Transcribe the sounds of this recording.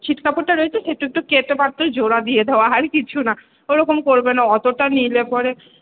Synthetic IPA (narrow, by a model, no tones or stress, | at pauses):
t͡ɕʰiʈkapoʈʈaɾojet͡ɕʰeʃeʈuek̚ʈuket̪epaɾt̪od͡ʑoɽad̪ijed̪eoaɦaɾkit͡ɕʰuna | oɾɔkomkoɾbenaɔt̪oʈanilepɔɾe